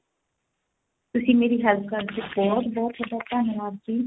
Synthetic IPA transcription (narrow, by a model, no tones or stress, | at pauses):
t̪ʊsĩːmeːɾiːɦɛlp̚ʰkəɾt̪ebɔːt̪bɔːt̪ʰɔd̪aːpaːnoʋaːzkiː